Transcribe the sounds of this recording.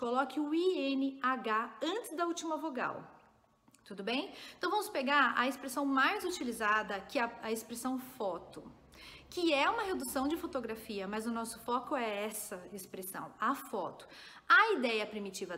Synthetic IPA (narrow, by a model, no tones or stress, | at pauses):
kolɔkɪʊiẽnɪaɡaɐ̃nt͡ʃɪzd̪ɐut͡ʃimɐvoɡa̰w | t̪ud̪ʊbẽj̃ẽt̪ɐ̃w̃vɐ̃mʊspeɡaɾɐ̰espɾesɐ̃w̃majzut͡ʃilizad̪ɐkɪɐɐespɾesɐ̃w̃fɔt̪ʊ | kɪɛũmɐɦed̪usɐ̃w̃d͡ʒɪfot̪oɡɾafiɐmɐzʊnɔsʊ̥fɔkʊɛɛsɐespɾesɐ̰̃w̃ɐfɔ̰t̪ʊ̥ | ɐid̪ɛjɐpɾimit͡ʃivɐ